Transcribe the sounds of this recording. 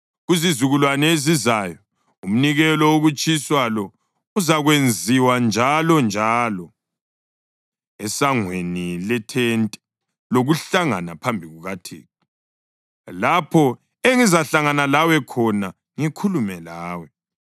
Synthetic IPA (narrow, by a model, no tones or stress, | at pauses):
ɣuzizuɣulwanɛezizajɔ | um̩niɣɛlɔoɣut͡ʃʼiswalɔ | uzaɣwend͡zʱiwand͡ʒʱalɔnd͡ʒʱaːlɔ | ɛsaŋwenilɛtʰɛntʼɛ̥ | loɣuɬaŋa̰napʰambʱiɣuɣatʰḛːɔ | lapʰɔ | eŋizaɬaŋanalawɛkʰɔna | ŋikʰulumɛlaːwɛ